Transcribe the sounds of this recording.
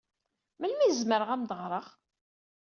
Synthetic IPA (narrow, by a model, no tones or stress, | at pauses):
məlmizməɾəʁæmd̪əʁɾˤəʁ